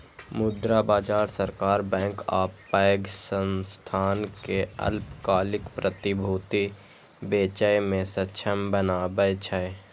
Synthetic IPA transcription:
mʊd̪ɾabaːd͡ʒaːɾsəɾkaːɾbɛ̃ːŋkaːppaəɡsənst̪ʰaːnkeə̰lpkaːlɪkpɾət̪ɪbʱoːt̪i | beːt͡ʃəjmẽsətːʃʰəmbənaːbəjt͡ʃʰəe

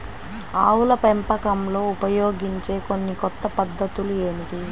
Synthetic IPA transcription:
aːwulɐpempɐkɐmlo̞ːupɐjo̞ːɡiɲt͡ʃe̞ːko̞nːikɔt̪ːɐpɐd̪ːɐt̪ulue̞ːmiʈi

